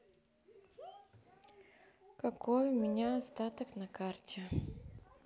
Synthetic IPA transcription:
kɐkʰɔjʊmʲɪnʲaːst̪at̪əknɐkartʲɛ

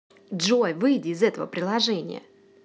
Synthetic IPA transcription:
dʐojvɨjdʲɪːzɛt̪əvə̰pɾʲɪlˠɐʐɛnʲɪ̰jə̰

